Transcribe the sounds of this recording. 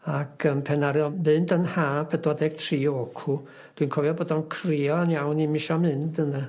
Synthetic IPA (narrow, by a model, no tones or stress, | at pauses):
akʰənpʰɛnaɾjɔmɨndənhaːpʰɛdwɔdɛɡ̥tʰriːokʰu | d̥winkʰɔvjɔboːdɔnkʰriɔənjawnimɪʃɔmɨndəna